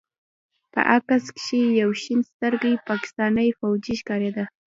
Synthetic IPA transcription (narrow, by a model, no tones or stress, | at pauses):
pə̰ʔakaskʃejawʃinst̪əɾɡijpɑkɪ̥st̪ɑnəjfawd͡ʒiʃkɑɾed̪a